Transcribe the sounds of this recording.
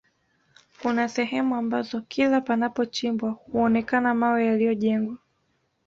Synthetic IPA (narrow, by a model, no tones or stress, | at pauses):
kunasɛɦɛmuambazɔkʰilapanapɔt͡ʃimbwahuɔnɛkanamawɛjalijɔʄɛŋɡwa